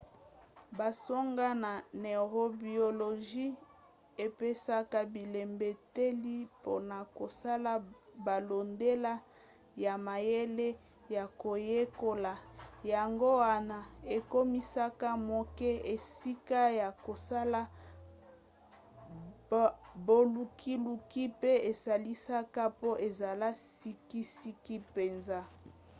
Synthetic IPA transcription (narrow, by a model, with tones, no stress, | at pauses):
ba˨so˦ŋɡa˦na˨ne˨ʁo˦bi˨o˨lo˨ʒi˦ | e˨pe˦sa˦ka˦bi˨le˨mbe˨te˦li˦po̰˦na˨ko˨sa˦la˦ba˨lo˨nde˦la˦ | ja˨ma˨je˦le˦ | ja˨ko˨je˦ko˦la˨ja˨ŋɡo˦wa˦na˨e˨ko˦mi˦sa˦ka˦mo˨kɛ˦e˨si˦ka˦ja˨ko˨sa˦la˦ | bo˨lu˨kʰi˦lu˨ki˦pe˦e˨sa˨li˦sa˦ka˦po˦ʔe˨za˨la˦si˦ki˦si˦ki˦pe˨nza˦